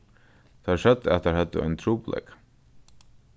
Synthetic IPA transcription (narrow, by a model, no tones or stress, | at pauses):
t̪ʰaʂœt̪ːɛ̰t̪ʰːaɹhɛt̪ːə̰a̰jnt̪ʰɾuːplɛ̰k